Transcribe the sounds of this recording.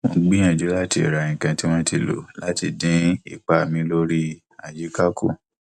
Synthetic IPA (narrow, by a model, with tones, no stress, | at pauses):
õ˨˦ɡ͡bĩ˦ã˦˨d͡ʒu˨˦la˦˨ti˧˨ɾa˨ĩ˨kã˧ti˦w̃ɔ̃˦ti˧˨lo̰˨˦la˦ti˧˨dĩ˨˦ḭ˦˨k͡pa˨mĩ˧˦lo˦ɾi˦ | a˨d͡ʒi˨˦ka˦ku˦˨